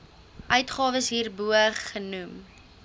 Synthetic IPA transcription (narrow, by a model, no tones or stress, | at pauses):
ʔœɥtχɑːvəsɦiːrbuəχːənum